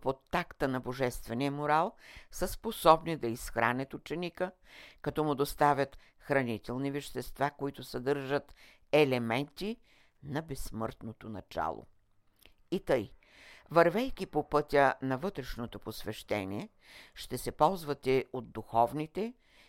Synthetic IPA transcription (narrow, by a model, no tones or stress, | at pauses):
pot̪ːakt̪ənɐboʒɛst̪vɛniəmoɾalˠsəsposɔbnid̪ɐisxɾʔa̰nɛt̪ʊt͡ʃɛnikə | kɐt̪ɔmʊd̪ost̪avʲɐt̪ | xɾɐnit̪ɛlˠnivɛʃt̪ɛst̪vakoit̪ʊsɐd̪ɤɾʒət̪ | ɛlɛmɛnt̪i | nɐbɛsːmɤɾt̪not̪onɐ̰t͡ʃa̰lˠo̰ | it̪ɤj | vɐɾvɛjkʲipopɤt̪ʲənɐvɤt̪ɾɛʃnot̪oposvɛʃt̪ɛniɛ | ʃt̪ɛsɛpɔlˠzvɐt̪ɛod̪d̪uxɔvnit̪ɛ